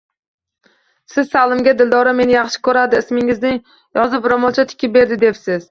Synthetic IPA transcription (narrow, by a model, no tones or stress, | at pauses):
sɪzsalˠɪmɡʲad̪ɪld̪ɒɾame̞nɪjɑχʃɪ̥kʰɵɾad̪ɪːsmɪŋɪznɪ | jɒzɪpɾamɒlˠt͡ʃʰat̪ʰɪ̥kʲʰɪp̚be̞ɾd̪ɪd̪e̞psɪz̥